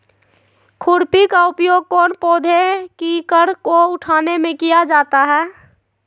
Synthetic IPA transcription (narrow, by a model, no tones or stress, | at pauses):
kʰʊɾpikaʊpjoːɡ̚kɔːnpoːd̪ʱekikəɾkoʊʈʰaːnemẽkijad͡ʒaːt̪aɦɛː